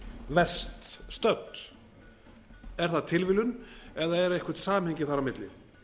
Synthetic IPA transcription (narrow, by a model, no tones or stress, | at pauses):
vɛ̥st̪st̪œt̪ | ɛɾ̥θaðt̪ʰɪlvɪlʏnɛðaɛɾɛhkvʏɾ̥t̪saːmhɛjɲcɪθaɾamɪt̪lɪ̰